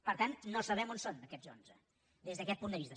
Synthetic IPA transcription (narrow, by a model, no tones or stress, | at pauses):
pəɾt̪annosəβ̞ɛmonsond̪əkɛzo̰nzə̰ | d̪ezðəkɛt̪̚pund̪əβist̪ə